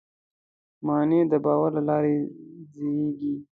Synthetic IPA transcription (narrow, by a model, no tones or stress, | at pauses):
mɑned̪əbɑːwaɾlalɑɾezejeɡi